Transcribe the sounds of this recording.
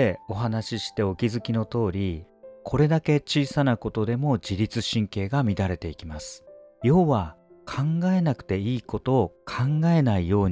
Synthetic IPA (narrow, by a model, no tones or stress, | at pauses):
eo̞ɦanaɕiɕi̥t̪e̞o̞kʲizɨkʲino̞t̪o̞ːɾʲikʰo̞ɾe̞d̪ake̞t͡ɕiːsanako̞t̪o̞d̪e̞mo̞d͡ʑiɾʲit͡sɨɕĩŋke̞ːɡamʲid̪aɾe̞t̪e̞ikʲimasɨ̥jo̞ːβakʰãŋɡae̞nakɯ̟̥t̪e̞iːko̞t̪o̞ːkʰãŋɡae̞naijo̞ːɲ